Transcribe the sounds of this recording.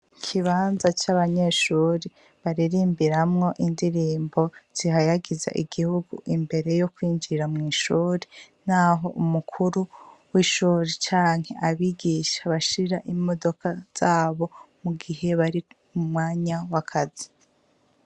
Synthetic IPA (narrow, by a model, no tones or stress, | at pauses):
kʰiβaːnzat͡ʃaβaɲeʃuːɾe | βaɾiɾiːmbiɾamŋo̞ʔindiɾiːmbo̞z̥iɦajaɡiza̰ʔiɡihuɡṵʔimbe̞ɾe̞jo̞kwiːɲd͡ʒiɾamŋiːʃuːɾen̥aɦo̞ʔumukʰuɾuwiʃuːɾet͡ʃaːŋ̥he̞ʔaβiɡiʃḁβaʃiɾaʔimo̞do̞kaz̥aːβo̞muɡihe̞βaɾi | umŋaːɲawakʰazi̥